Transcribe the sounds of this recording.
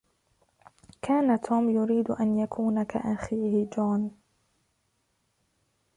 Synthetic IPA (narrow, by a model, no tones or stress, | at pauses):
kʰaːnat̪ʰuːmjʊɾiːd̪ʔanjakʰuːnaka̰ʔaxiːhɪd͡ʒuːn